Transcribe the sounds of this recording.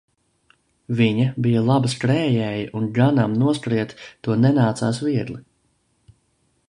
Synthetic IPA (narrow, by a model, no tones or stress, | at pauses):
viɲɐbijalˠabaskɾɛːjɛːjaʔunɡanamnuɔskɾiɛt̪ːuɔnɛnaːt̪saːsviɛd̪lˠi